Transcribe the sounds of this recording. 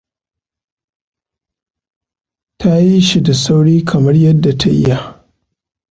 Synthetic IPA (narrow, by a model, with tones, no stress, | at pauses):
tʰa˦ji˦ʃi˨da˨sa˦wɽiː˦kʰɐ˨mɐ˦rjɐ˦dːa˨ta˦ʔɪ̰˦ja˦